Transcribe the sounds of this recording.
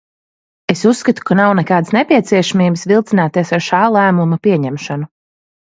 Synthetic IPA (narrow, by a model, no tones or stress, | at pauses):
esusːkat̪u̥kanawnɛkaːd̪snepiɛt̪siɛʃamiːbsvilˠt̪sinaːt̪iɛsaɾʃaːlˠæːmumapiɛɲɛmʃanu